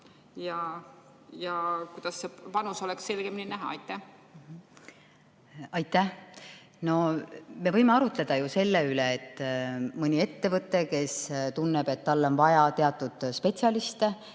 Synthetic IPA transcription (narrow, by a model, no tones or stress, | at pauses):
jɑ | jɑkujd̪̥ɑsːepɑnuso̞lekse̞lɡ̥emninæɦɑ̰ɑ̰jt̪ːæh | ɑjt̪ːˑæh | no̞me̞vɤjme̞ɑɾut̪le̞d̪̥ɑjuse̞lːeyleːt̪ˑːmɯnʲie̞t̪ːe̞vɤt̪ˑːe̞ke̞st̪unːe̞b̥e̞t̪ːɑlːo̞nvɑjɑt̪e̞ɑt̪ːˑud̪̥spe̞t̪ʲsjɑlist̪e